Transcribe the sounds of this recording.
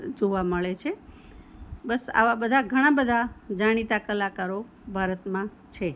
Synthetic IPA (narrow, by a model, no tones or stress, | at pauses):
d͡ʒoʋaməɭet͡ʃʰe | bəsa̰ʋabəd̪ʱaɡʱəɽ̃ãbəd̪ʱad͡ʒaɽ̃it̪akəlakaɾo | bʱaɾət̪mã | t͡ʃʰe